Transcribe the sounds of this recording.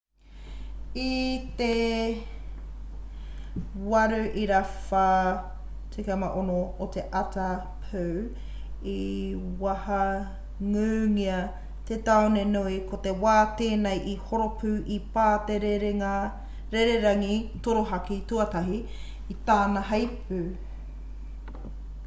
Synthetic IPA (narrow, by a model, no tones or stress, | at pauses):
it̪e | wɐɾʉʔiɾafa | t͡sʰekemaʔonoːt̪eʔɐtɐ | pʰəw | iwɐhɐ | ŋʉːŋiɐ | t̪et̪aonenuikot̪ewaːt̪eːnejʔihoɾopʉːʔipaːteɾeɾea | ɾeɾeɾɐŋitoɾoɦɐkituɐtɐɦi | it̪aːnɐɦɐjpʉ